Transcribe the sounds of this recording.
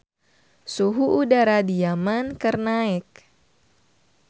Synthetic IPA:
suɦuʔudaɾadijamankərnaɛk̚

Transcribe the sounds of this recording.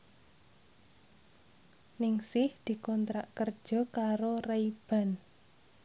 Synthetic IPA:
nɪŋsɪhd̪̥i̤kɔnt̪ɾaʔkərd̥ʒ̥ɔ̤kaɾoreib̥a̤n

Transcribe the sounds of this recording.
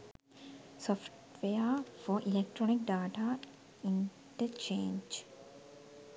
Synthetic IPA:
sɔfʈʋeəfɔʔilek̚ʈɾonik̚ɖaːʈa | ĩɳ | ʈət͡ʃẽːɲd͡ʒ

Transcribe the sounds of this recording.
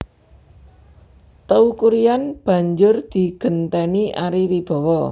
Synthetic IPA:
t̪əukuɾijanb̥ä̤ɲd͡ʒʊrd̪̥i̤ɡ̥ə̤nt̪ɛniʔaɾiwib̥ɔ̤wɔ

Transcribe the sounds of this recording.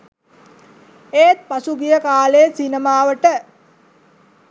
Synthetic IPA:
eːt̪̚pasuɡijəkaːlesinəmaːʋəʈə

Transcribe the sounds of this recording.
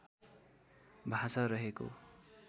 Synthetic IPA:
bʱasʌɾʌɦeko̰

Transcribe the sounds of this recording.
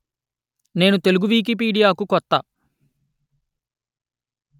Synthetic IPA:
ne̞ːnut̪e̞luɡuʋiːk̬ip̬iːɖijaːkukɔt̪ːa

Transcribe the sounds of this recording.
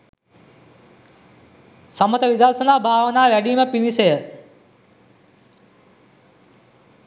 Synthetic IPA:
sɐmət̪ɐʋid̪aːɾsɐnaːbʱaːʋənaːʋæɖiːməpinisejə

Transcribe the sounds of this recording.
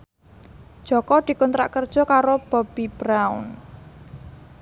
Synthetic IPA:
d̥ʒ̥ɔ̤kɔd̪̥i̤kɔnt̪ɾa̰ʔkərd̥ʒ̥ɔ̤kaɾob̥ɔ̤b̥ib̥ɾaʊ̰n

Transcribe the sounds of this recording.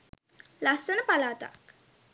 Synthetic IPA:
lasənəpalaːt̪a̰k

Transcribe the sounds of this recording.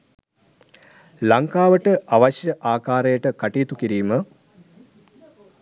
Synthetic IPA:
laŋkaːʋəʈəʔaʋɐɕjəʔaːkaːɾejəʈəkaʈiːt̪ukiɾiːmə

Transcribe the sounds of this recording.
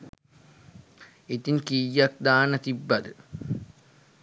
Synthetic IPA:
et̪iŋkijːak̚d̪aːnət̪ibːɐd̪ə

